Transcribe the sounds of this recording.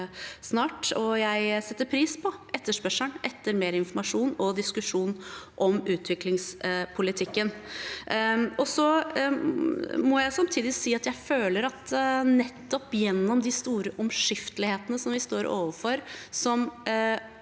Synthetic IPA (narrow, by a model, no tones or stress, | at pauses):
snɑːʈɔjæɪsɛt̪ːəɾpʰɾiːspʰɔʔɛt̪ːəʂpœʂəɳʔɛt̪ːəɾmeːɾəɪnfɔmɑʂuːnɔd̪ɪskʉʂuːnʔɔmʉːt̪ʰʋɪklɪŋspʰʊlɪt̪ʰɪkːən | ɔsɔ | mɔjæɪsɑmt̪ʰiːd̪ɪsiːɑt̪jæɪføːləɾɑt̪nɛt̪ːɔpjɛnːɔmd̪ɪst̪uːɾəʔɔmʂɪft̪əlɪheːt̪ənəsɔmʋɪst̪oːɾʔo̰ːʋəfɔɾsɔm